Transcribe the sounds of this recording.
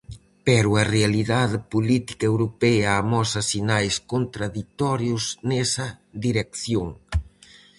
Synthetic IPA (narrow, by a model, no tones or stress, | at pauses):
pɛɾuarealiðaðpolit̪i̥kaewɾopɛaːmɔsasinajskont̪ɾaðit̪ɔɾjuznɛsɐðiɾekθjoŋ